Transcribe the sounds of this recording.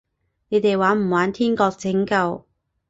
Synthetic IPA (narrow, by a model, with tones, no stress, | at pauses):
ne˨˧jt̪e˨jwaː˨˥m̩˨˩waː˨˥nt̪ʰiː˥nkɔː˧k̚t͡sɪ˨˥ŋkɐ˧w